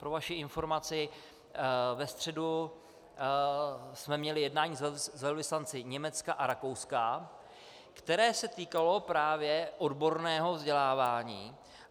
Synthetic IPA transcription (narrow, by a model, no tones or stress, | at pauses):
pɾovaʃɪɪnfo̞ɾmat͡sɪ | vɛst̪r̝̥ɛdu | smɛmɲɛlɪjɛdnaːɲiːzɛzɛlvɪslant͡sɪɲɛmɛt͡skaʔaɾakowska | kt̪ɛɾɛːsɛt̪iːkalo̞pɾaːvjɛʔo̞dbo̞ɾnɛːɦo̞vzɟɛlaːvaːɲiː